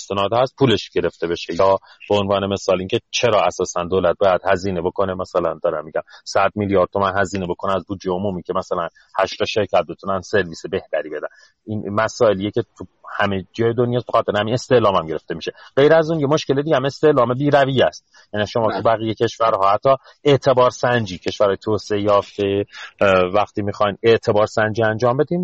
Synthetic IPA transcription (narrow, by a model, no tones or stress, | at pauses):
est̪e̞nɒːd̪hæst̪̚pʰuːle̞ʃɟ̥e̞ɾe̞ft̪e̞be̞ʃejɒː | b̥eonvɒːne̞me̞sɒːliːŋcʰe̞t͡ʃʰe̞ɾɒːæsɒːsænd̪oːlæt̪̚bɒːjæd̪̥hæziːne̞bo̞kʰo̞nemæsælænd̪ɒːɾæmːiɟæmsæd̪̚miljɒːɾd̪t̪ʰo̞mænɦæziːnebo̞kʰo̞neæzbuːd̪d͡ʒeomuːmiːcʰe̞mæsælæn | hæʃt̪ɒʃe̞ɾcʰæt̪̚be̞t̪ʰunænse̞ɾviːsebe̞ht̪æɾiːbe̞d̪æn | inmæsɒːe̞lijecʰet̪ʰuhæmed͡ʒɒːjed̪o̞njɒːsbexɒt̪ʰːeɾhæmine̞st̪e̞ʔlɒːmæmɟe̞ɾe̞ft̪e̞miʃeɢ̥e̞jɾæzuːnjemo̞ʃke̞led̪iɟhæme̞st̪eʔlɒːme̞biːɾæviːjæst̪ | jæniʃo̞mɒːt̪ʰubæɣijecʰe̞ʃvæɾhɒːhæt̪ʰːɒː | e̞ʔt̪ʰe̞bɒːɾsænd͡ʒiːcʰe̞ʃvæɾhɒːjet̪ʰoːseejɒːft̪e | væxt̪iːmixɒjne̞ʔt̪ʰe̞bɒːɾsænd͡ʒiːænd͡ʒɒːmbe̞d̪iːn